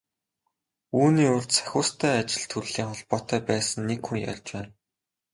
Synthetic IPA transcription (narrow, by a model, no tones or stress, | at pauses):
uːniːʊrt̪t͡sʰæ̥xʲʊːst̪ʰæːat͡ɕɪ̆ɮt̪ʰɵɾɮiːŋχɔɮpɔːt̪œːpæːsə̆nːekxuŋja̰ɮt͡ɕpæːn